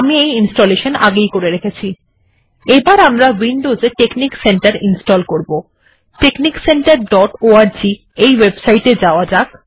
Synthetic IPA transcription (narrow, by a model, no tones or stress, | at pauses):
amiejinsʈoleʃona̰ɡejkoɾeɾekʰet͡ɕʰi | ebaɾamɾawinɖozeʈeknikseɳʈaɾinsʈɔlkoɾbo | ʈeknikseɳʈaɾɖɔʈoaɾd͡ʑi | ejwebsajʈed͡ʑaoad͡ʑak